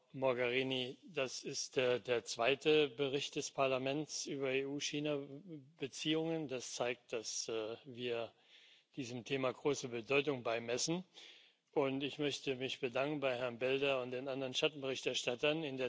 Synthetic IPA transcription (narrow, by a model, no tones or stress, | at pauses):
mɔɐɡaʁiːnid̥asɪstd̥eɐdeːɐt͡sv̥aɪtəbəʁɪçt̚d̥ɛspʰaɐlamɛnt͡sʔyːbɐeːuːʃiːnabət͡siːʊŋəndast͡saɪk̚t̚d̥asːviːɐ | d̥iːzəmtʰeːmaɡʁoːsəbədɔʏtʊŋbaɪmɛsn̩ | ʔʊntɪçmœçtəmɪçb̥ədaŋkn̩baɪhɛɐnbɛldɐʊntd̥eːnʔandɐʁənʃtatn̩bəʁɪçtɛɐʃtatɐnɪndeː